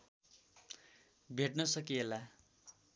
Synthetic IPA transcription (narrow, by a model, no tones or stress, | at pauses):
bʱeʈnʌsʌkiela